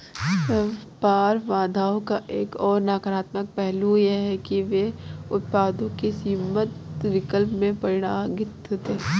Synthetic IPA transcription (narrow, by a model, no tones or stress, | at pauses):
paːɾʋãːd̪ʱaːõkaʔeːkɔːɾnaːkɾaːt̪mək̚pɛɦlujeɦɛkiʋeʊt̪̚paːd̪õkisimət̪ʋɪkəlpmẽpɐɾɪɽ̃aːɡɪt̪t̪eː